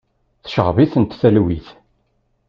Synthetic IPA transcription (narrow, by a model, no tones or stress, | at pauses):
θʃəʁviθənt̪θælwiθ